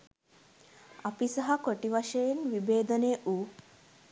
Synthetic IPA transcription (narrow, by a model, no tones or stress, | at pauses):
ɐpisɐɦɐkoʈiʋɐʂɐjenʋibeːd̪əneʔuː